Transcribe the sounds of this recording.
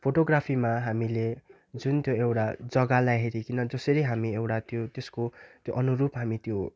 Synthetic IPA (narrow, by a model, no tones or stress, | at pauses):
pʰoʈoɡrapʰimaɦamile | d͡zunt̪joewʈad͡zʌɡalajɦeɾikinʌd͡zʌsʌɾʌjɦamiewʈat̪jot̪eskot̪joʔʌnuɾupɦamit̪jo